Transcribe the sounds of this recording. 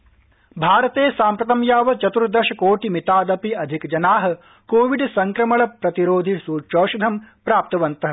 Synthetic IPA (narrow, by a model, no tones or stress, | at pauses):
bʱaːɾɐt̪eːsaːmpɾɐt̪ɐmjaːʋɐt͡ʃɐt̪uɾd̪ɐʃɐkoːʈimit̪aːd̪ɐpiɐd̪ʱikd͡ʒɐnaːɦɐ̆ | koːʋiɖsɐŋkɾɐmɐɭɐpɾɐt̪iɾoːd̪ʱisuːt͡ʃoːʃud̪ʱɐmpɾaːp̚t̪ɐʋɐnt̪ɐɦɐ